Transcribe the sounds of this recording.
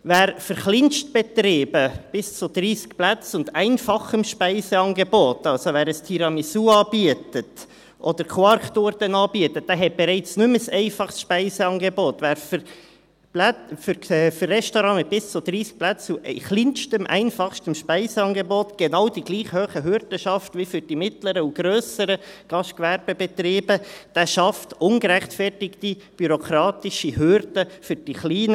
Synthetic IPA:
væːɾfəɾχlɪnʃtb̥ɛtɾeːbəb̥ɪst͡sʊd̥̪ɾiːskplæt͡sʊndæɪnfɑχəmʃpæɪsɛɑːnɡeboːtɑlsoʋæːɾəstʰiɾɑmisuːɑːb̥iətət | ʔɔdəɾkʰwɑɾktoːɾd̥ɛnɑːbiətət̚d̥æːɦɛt̚b̥ɛɾɛɪt͡snʉməsɛɪfɑχsʃpɛɪsɛɑːŋɡeboːtvæːɾfə | plæfɾɛfʏrːɛʃtoɾɑ̃ːmɪt̚b̥ɪst͡sʊd̥ɾiːsk̚plæt͡suχlinʃtəmʔɛ̰ɪnfɑχʃtəmʃpɛɪsəɑːnɡeboːtɡ̥enɑwd̥iɡ̥liːχhøːχəɦʏɾd̥əʃɑftʋifʏɾd̥imɪtləɾəuɡ̥ɾøːsəɾəɡ̥ɑʃtkʋæɾb̥əbɛt̪ɾiːbəd̪̥æːʃɑftʊnɡəɾæχtfɛrtɪkti | b̥yɾokʰɾɑːtɪʃiɦøɾd̥əfʏɾd̥iχliːnə

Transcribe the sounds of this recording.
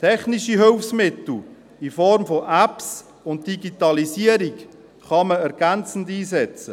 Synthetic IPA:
tʰɛχniʃiɦʏlfsmɪt̪l̩ | ifɔɾmfɔʔæps | ʊn̚d̥iɡitɑlisiəɾik | χɑməɛɾɡ̥ænt͡sn̩diːsɛt͡sə

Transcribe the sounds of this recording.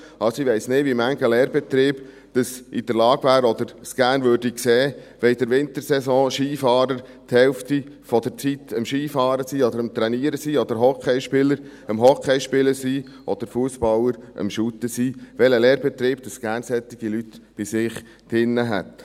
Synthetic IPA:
ɑsiʋɛɪsnɪdʋimæŋɡəlɛːɾbɛt̪ɾiːb̥ | d̪̥əsʔid̥̪əɾlɑːɡʋæːɾɔd̪əɾsɡ̥æːɾnʋøːɾd̥ikseːʋɛid̥̪əɾʋɪnt̪əɾsɛsɔ̃ːʃiːfɑːɾəɾt̪hɛlft̪ifɔd̪əɾt͡sit̪əmʃiːfɑːɾəsiːɔd̪əɾəmt̪ɾɛniːɾəsiːɔd̥̪əɾɦɔkʰɛɪʃpɪləɾ | əmɦɔkʰːɛɪʃpɪləɾsi | ʔɔd̪̥əɾfuəsbɑləɾʔə̰mʃut̪əsiːʋɛləlɛːɾb̥ɛt̪ɾiːb̥̚d̥̪əsɡ̥æːɾnsɛt̪ːɪɡ̥ilyt̪b̥ɪsɪχ | d̥ɪnːəɦæ̰t̪

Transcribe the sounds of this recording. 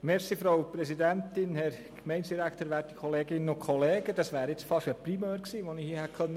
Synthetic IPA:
mɛɾsiːfɾoʊpɾɛsidæntɪnhɛɾ | kmɛɪnsd̥iɾækʰtəːɾʋæːɾti̥kʰoleːɡɪnːəʊkʰχɔleːɡ̥əd̥ɑsʋæːɾɪt͡sfɑʃəprimøːɾksiːʋonɪhiəhɛkʰœnːə

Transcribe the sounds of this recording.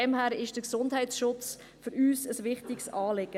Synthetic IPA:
ɛmhæːɾɪʃd̥əksʊndhɛɪtsʃʊt͡s | fʏɾyːsəsʋɪχtɪksɑːlɪɡ̥ə

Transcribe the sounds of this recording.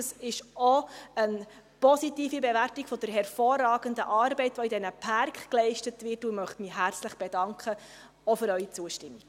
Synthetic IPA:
sɪʃɔən | pɔsitiːfibeværtiɡ̥fɔd̥əɾɦɛrfɔːrːɑːɡəndəʔɑːɾbɛɪtʋoidɛnəpʰɑrkχklɛɪʃtətʋɪrtumœχtmiɦært͡sləχb̥edɑŋkʰχə | ofʏɾœʏit͡suəʃtɪmːik

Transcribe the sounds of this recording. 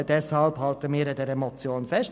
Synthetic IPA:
d̥ɛshɑlphɑltəmiːɾədɛɾɛmɔt͡sjoːnfɛst

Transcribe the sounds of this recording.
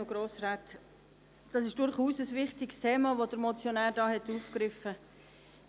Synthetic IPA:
oɡ̥ɾoːsrat | d̥ɑsɪʃd̥ʊɾχuːsəsvɪχtɪkstʰeːmɑʋod̥əɾmɔt͡sjonæːɾdɑːhɛtːuːfkɾɪfə

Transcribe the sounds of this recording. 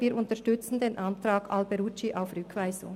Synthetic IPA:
viːɐɾʊntəʃtʏt͡sn̩deːnʔɑntraːɡ̥albɛɾut͡ʃiʔaʊfrʏkʰv̥aɪzʊ̰ŋ

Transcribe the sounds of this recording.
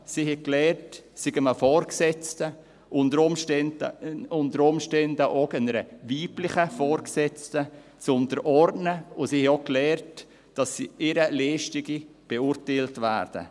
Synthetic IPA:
sihɛklɛːrtsiɡəməfɔːɾksɛt͡stə | ʔʊndəɾʊmndəʊntəɾʊmʃtɛndəʔokənəɾəviːplɪχəfɔːɾksɛt͡stət͡sʊntəɾʔɔɾdnəʊsiːhɛoklɛːrt | d̥ɑsiɪɾəleːʃtɪɡib̥euːɾteltvæ̰ːɾd̥ə̰

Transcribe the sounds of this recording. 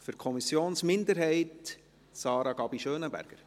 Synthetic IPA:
fʏɾkʰɔmisjoːnsmɪndəɾɦɛɪt | sɑːɾɑɡ̥ɑb̥iʃøːnəbæ̰ɾɡ̥əɾ

